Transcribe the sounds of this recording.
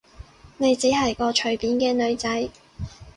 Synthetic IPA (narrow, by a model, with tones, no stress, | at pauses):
ne˨˧jt͡siː˨˥hɐ˨˩jkɔː˧t͡ʃʰɵ˨˩ɥpiː˨nkɛː˧nɵ˨˧ɥt͡sɐ˨˥j